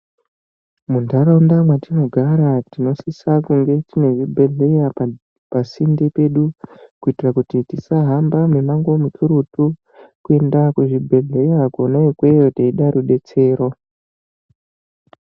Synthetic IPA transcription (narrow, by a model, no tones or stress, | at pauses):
mundaɾaundamwatino̞ɡʱaɾatino̞sisakuŋɡe̞tine̞ʐibʱe̞ɮe̞ja | pasindipe̞ɗukuitirakutitisaɦambamemaŋɡo̞mukʰiɾutu | kue̞ndakweʐibʱe̞ɮejakonaikwe̞jotaiɗaɾuɗe̞t͡se̞ːɾo̞